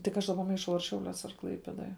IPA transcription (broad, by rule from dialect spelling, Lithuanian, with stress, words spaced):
tʲɪk ˈɐʃ ˈdɑːˌbɐ mɐɪˈʃɐʊ ɐr ˈʃʲɛʊlʲuɔs ɐr ˈklˠɐɪpʲeːdoːj